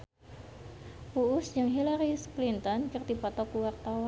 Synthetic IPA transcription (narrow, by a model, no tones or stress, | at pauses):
puʔʊsd͡ʒɨŋɦilaɾisklint̪ɔnkɨrt̪ipɔt̪ɔkuwart̪awa